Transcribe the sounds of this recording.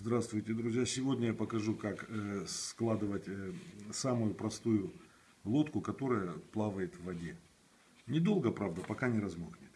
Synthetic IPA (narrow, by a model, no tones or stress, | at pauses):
zd̪ɾast̪vʊjtʲɪd̪ɾʊzʲjasʲɪvo̞dʲnʲəjapəkɐʐukaksklˠad̪ɨvətʲsamʊjʊpɾɐst̪ujʊ | lˠo̞t̪kʊkɐt̪o̞ɾəjəplˠavəjɪt̪vːɐdʲe̞ | nʲɪd̪o̞lˠɡəpɾavd̪əpɐkanʲɪɾɐzmoknʲɪt̪